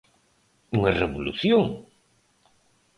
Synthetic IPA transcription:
uŋareβolṵθjoŋ

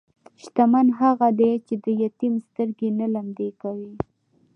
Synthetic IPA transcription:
ʃt̪amanɦaɣad̪et͡ʃed̪əjat̪imst̪əɾɡenalamd̪ekawi

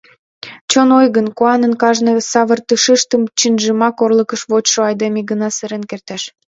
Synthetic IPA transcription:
t͡ɕonojɣənkoɑnənkɑʒnɤsɑβərt̪ɯʃəʃt̪əmt͡ɕinʒəmɑkorləkəʃβot͡ɕʃoɑjd̪emiɡənɑsəɾenkert̪æʃ

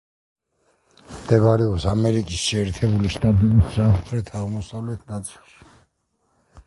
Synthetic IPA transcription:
md̪̥ɛbaɾɛɔpsamɛɾikʼisʃɛːɾt̪ʰɛbuliʃt̪ʼat̪ʼɛbisːapʰɾɛt̪ʰamɔsavlɛt̪ʰnat̪sʼilˠʃi̥

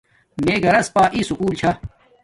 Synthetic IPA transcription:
meːɡɐɾɐspaːʔiːsukuːlt͡ɕʰa

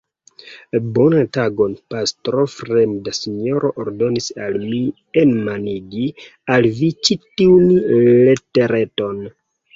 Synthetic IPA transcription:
bo̞nantaɡo̞npastɾofɾemdasino̞ɾʔo̞ʔoɾdo̞nisalmi | enmaniɡi | alvit͡ʃitinle̞te̞ɾe̞to̞n

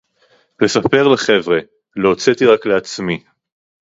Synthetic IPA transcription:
le̞sape̞ʁleχe̞vʁe̞ | loːt͡set̪iʁakle̞at͡smi

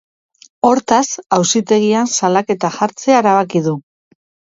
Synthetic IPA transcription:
o̞ɾt̪asawsit̪e̞ɣ̞iansalake̞t̪aʝaɾt͡se̞aeɾaβakið̞u

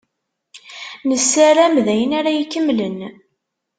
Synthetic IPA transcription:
nəsːaɾæmðæjənaɾajkːəmlən

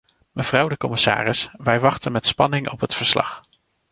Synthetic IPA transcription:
məv̥rɑwdəkɔmɪsa̰ːrɪsʋɛjʋɑχtənmɛtspɑnɪŋʔɔpɦətfəɹslɑ̰χ

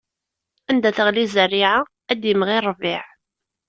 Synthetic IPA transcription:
ænd̪æθəʁlizərːiʕa | æd̪jəmʁirˤvɪʕ

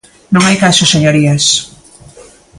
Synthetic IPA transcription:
nõŋajkasʊseɲoɾiɐs

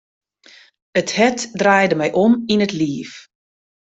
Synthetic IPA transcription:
əthɛtdraːjdəmɛjʔɔminətliːəf

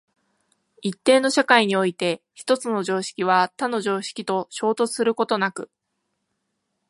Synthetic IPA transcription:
it̪ːe̞ːno̞ɕakaiɲ̟io̞it̪e̞çi̥t̪o̞t͡sɨno̞ʑo̞ːɕi̥kʲiβ̞at̪ano̞ʑo̞ːɕi̥kʲit̪o̞ɕo̞ːt̪o̞t͡sɨ̥sɨɾɯ̟ko̞t̪o̞nakɯ̟

